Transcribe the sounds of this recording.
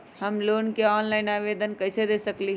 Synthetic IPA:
həmloːnkeɔːnlaːɪnaːʋeːd̪ənkɐɪsed̪eːsəkli

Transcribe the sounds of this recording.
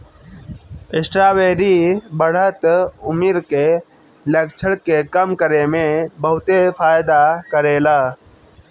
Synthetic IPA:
ɪsʈɾaːʋeːɾibəɽ̤ət̪ʊmiɾke | lek̚t͡ʃʰəɽkekəmkəɾemẽbəɦʊt̪efʰaːjd̪akəɾeːlaː

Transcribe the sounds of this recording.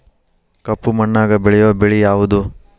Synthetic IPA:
kɐpːumɐɳːaːɡɐbeɭɛjuʋɐbeɭijaːʋud̪u

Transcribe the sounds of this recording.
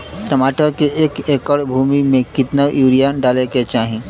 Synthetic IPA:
tɾɐmaːʈəɾkieːkeːkəɽbʱuːmimẽkɪt̪najuːɾijaɖaːleket͡ʃaːɦẽː

